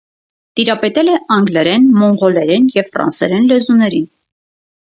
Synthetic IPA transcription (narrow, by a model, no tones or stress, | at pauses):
t̪iɾɑpɛt̪ɛlɛʔɑŋɡlɛɾɛnmɔɴɡɔlɛɾɛnjɛvfrɑ̰nsɛɾɛnlɛzunɛɾin